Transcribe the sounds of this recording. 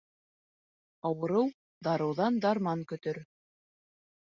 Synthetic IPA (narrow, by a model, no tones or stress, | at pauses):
ɑwɤ̆ɾɤw | d̪ɑɾɤ̆wðɑnd̪ɑɾmɑŋkɵ̆t̪ɵɾ